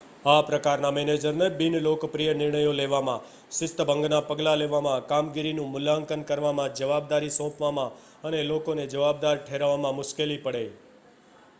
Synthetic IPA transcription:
apɾəkaɾnamɛned͡ʒəɾnebɪnlokpɾijənɪɾɳəjoleʋamã | ʃɪst̪əbʱə̃ŋɡnapəɡlaleʋamãkamɡiɾinũmʊlaəŋkənkəɾʋamãd͡ʒəʋab̚d̪aɾisɔ̃pʋamã | ənelokoned͡ʒəʋab̚d̪aɾʈʰeɾʋamãmʊʃkelipəɽe

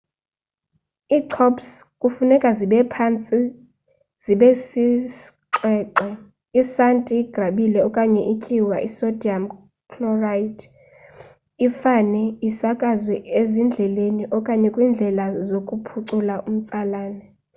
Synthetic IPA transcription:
iːǀʰɔpskʼufunɛkʼaziɓɛpʰant͡sʼi | z̥iɓesiǁɛːǀɔ | isantʼiɡ̥ʱraɓilɛɔkʼaɲɛʔikʼiwa̰ʔisɔdiam | kʰlɔradʰ | ifanɛisakʼazwɛezind͡ɮʱɛleniʔɔkʼaɲɛkʼwiːnd͡ɮʱɛlazokʼupʰuǀulaʔum̩t͡sʼalaːnɛ

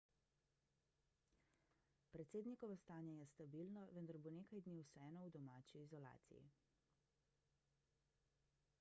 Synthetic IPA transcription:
pɾɛt̪seːd̪nikɔʋɔst̪aːnjajɛst̪abilnɔʋənd̪aɾboneːkajd̪niwsɛɛːnɔwd̪ɔmaːt͡ʃiːzɔla̰ːt̪sḭjḭ

